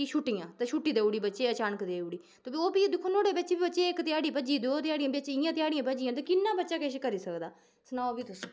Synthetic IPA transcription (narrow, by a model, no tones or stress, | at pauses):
iʃuʈijãːt̪ãʃuːʈːiːd̪eːuːɽiːbətːʃeːət͡ʃaːnəkd̪eːuːɽiː | t̪oːbioːbiːd̪ɪkʰːoːnoːɽeːbətːt͡ʃeːbiːbətːʃeːɪkt̪ɪjaːɽiːbəd͡ʒiːd̪ot̪ɪjaːɽɪjãːbət͡ʃeɪjãːt̪ɪaːɽɪjãːbəd͡ʒɪjãːt̪ẽːkɪnːaːbətːʃaːkɛːʃeːkəɾiːsəkd̪aː | snaːobiːt̪ʊs